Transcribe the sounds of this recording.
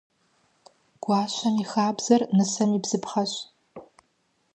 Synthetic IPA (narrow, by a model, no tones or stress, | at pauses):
ɡ̥ʷaːɕʷɐmixaːbz̥ɐrnɨsɐmibz̥ɨpʰχɐɕ